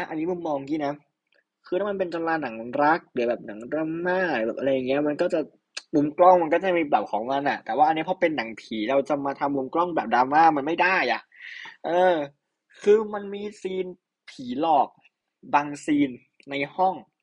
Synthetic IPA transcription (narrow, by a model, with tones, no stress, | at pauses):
ʔa˦˥˩ʔa˧nːiː˦˥mu˧˥˦mɔː˧ŋkiː˦˥˩na˦˥ | kʰɯː˧ɾʰaː˥˩ma˧npe˧nt͡ɕa˧laː˧na˨˩˦ŋɾa˦˥k̚dɯ˩˦˩bɛː˨˩p̚na˨˩˦ŋɾa˧maː˥˩lɯ˩˦˩bɛː˨˩p̚ʔɾa˧jːa˨˩ŋːi˦˥ɐ˨ma˧nkɔː˥˩t͡ɕa˨˩ | mu˧˦mklɔ˥˩ŋma˧nkɔː˥˩t͡ɕa˨˩miː˧bla˨˩p̚kʰɔː˩˦ŋma˧nʔa˨˩t̪ɛː˨˩waː˥˩ʔnːʰ˦˥˩pe˧nːa˩˦ŋpʰiː˩˦ɾa˧wt͡ɕa˨˩maː˧t̪ʰa˧mu˧˦mklɔ˥˩ŋbɛː˨˩p̚daː˧maː˥˩ma˧nma˥˩jdaː˥˩jʔa̰˨˩ʔʔɤː˧ | kʰɯː˧ma˧nmiː˧siː˧n | pʰiː˩˦lɔː˨˩k̚ | baː˧ŋsiː˧nː | a˧jhɔ˥˩ŋ